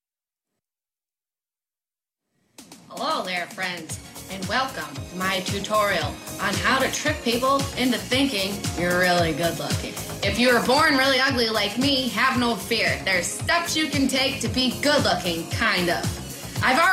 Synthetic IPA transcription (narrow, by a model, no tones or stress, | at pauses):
həloʊðə˞fɹɛ̃ndz̥ɨ̃nwɛlˠkə̃mːaɪtʰʉtʰɔɹil̩ˠʔə̃nɦaʊɾɨtʰɹ̥ɪp̚pʰipl̩ˠɪ̃ntɨθɪ̃ŋkɪ̃ŋjə˞ɹɪlˠiɡʊdˡlʊ̰kɪ̰̃ | ɨfjɨə˞bɔɹnɹɪlˠiʌɡlilaɪk̚miɨvnoʊfɪɹðə̥˞stɛpsjɨkɨ̃ntʰeɪk̚tɨbiɡʊdˡlʊkɪ̃ŋkʰãɪ̃ndʌ̰v̥ | ʔaɪvɑ